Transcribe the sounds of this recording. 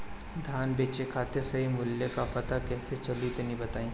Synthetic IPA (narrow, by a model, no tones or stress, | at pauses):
d̪ʱjaːnbeːt͡ʃekʰaːt̪esɐɦimʊljəkapɐt̪akɛːset͡ʃɐlit̪nĩbɐt̪aːĩː